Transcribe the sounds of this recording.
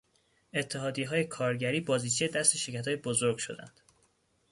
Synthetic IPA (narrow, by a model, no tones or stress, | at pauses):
e̞t̪ʰːe̞ɦɒːd̪ijeɦɒːje̞kʰɒːɾɟæɾiːbɒːziːt͡ʃʰejed̪æst̪e̞ʃecʰæt̪ʰːjebozo̞ɾɡ̥ʃo̞̰d̪æ̰nd̪̥